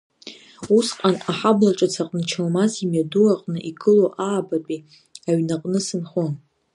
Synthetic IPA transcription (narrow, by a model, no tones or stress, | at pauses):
usqʼanaħablaʈ͡ʂʼat͡sʰaqʼnɨt͡ʃʰalmazimjaduaqʼnɨʔiɡʼɨloʔaːbapʼi | aɥnaqʼnɨsɨnχon